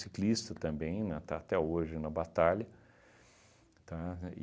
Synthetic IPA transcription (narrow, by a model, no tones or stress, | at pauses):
siklist̪ɐt̪ɐ̃mbẽj̃nɛt̪aːt̪ɛoʒɪnɐbat̪alɐ | t̪a